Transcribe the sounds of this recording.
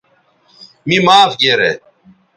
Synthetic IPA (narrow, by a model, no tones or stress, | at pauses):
mimaːfɡeːɾḛː